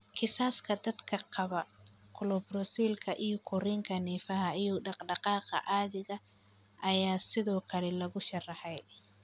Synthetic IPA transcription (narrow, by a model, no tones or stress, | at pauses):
kʰɪsaːskʰɐd̪ɐd̪kʰɐqɑβɐkʰʊlɔbrɔsiːlkʰɐʔijɔkʰʊrɪŋkʰɐniːfɐɦɐijɔɖɑqɖɑqɑːqɑ̰ʔaːðɪɣɐ | ʔɐjaːsɪðɔːkʰɐlɛlɐɣʊʃɑrɑħɛj